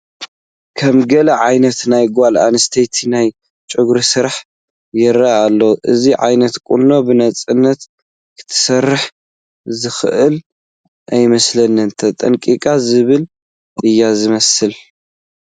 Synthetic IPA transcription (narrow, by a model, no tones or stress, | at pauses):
kʰɐmɡɐlɐʕajnɐt̪najɡʷala̰nɨst̪ʰejt̪ʰinaj | t͡ʃʼɨɡɾɨsɨɾħ | jɛɾaalːoʔɨziʕa̰jnɐt̪kʼulːo̞bɨnɐt͡sʼɨnːɐt̪ | kʰɨ̥t̪ʰːɨ̥sɐrːɨħ | zɨxɨʔɨl | ʔajmɐslɐnːɨnt̪ʰɐt̪ʼɐŋkʼikʼazɨβɨlʼ | ɨjːazɨmɐsɨl